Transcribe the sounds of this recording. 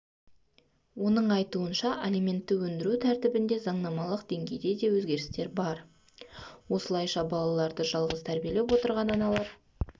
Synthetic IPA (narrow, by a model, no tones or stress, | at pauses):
wo̞nəɴɑjt̪uənʃɑʔelijmʲe̞nt̪ːɪwɵnd̪ɪɾut̪ʰæɾt̪ɪbɪnd̪e̞zɑɴnɑmɑlˠəqd̪̥e̞ŋɡʲe̞jd̪e̞d̪e̞wɵzɡʲe̞ɾɪ̥st̪e̞ɾbɑɾ | wo̞səlˠɑjʃɑbɑlˠɑlˠɑɾd̪əʒɑlˠʁəzt̪ʰæɾbije̞le̞pwo̞t̪əɾʁɑnɑnɑlˠɑɾ